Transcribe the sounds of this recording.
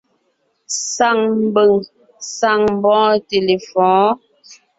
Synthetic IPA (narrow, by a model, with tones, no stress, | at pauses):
sa˦˨ŋm˦bə˨ŋ | sa˦˨ŋ˦bɔ̃ː˦te˨le˨fɔ̃ː˨˦